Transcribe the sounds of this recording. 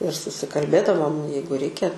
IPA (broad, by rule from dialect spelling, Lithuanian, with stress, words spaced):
ɪr sʊsʲɪkɐlʲˈbʲeːdɐʋoːm ˈjɛɪɡʊ ˈrʲɛɪkʲɛ